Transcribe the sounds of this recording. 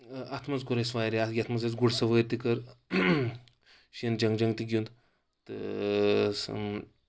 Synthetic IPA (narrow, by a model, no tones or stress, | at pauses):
ɐt̪ʰmɐt͡sɡuɾesʋajɾeɐɡʲɐt̪ʰmɐt͡set͡sɡuɽsɐʋəɾt̪ikɐɾ | ɕiənd͡ʒɐŋɡd͡ʒɐŋɡt̪iɡʲund̪ | t̪ | s